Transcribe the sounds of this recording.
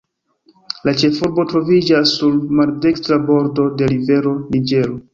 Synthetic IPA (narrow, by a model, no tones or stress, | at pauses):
lat͡ʃe̞fuɾbo̞tɾo̞vid͡ʒasːuɾmaɾde̞kstɾabo̞ɾdo̞de̞ɾive̞ɾo̞nid͡ʒe̞ɾo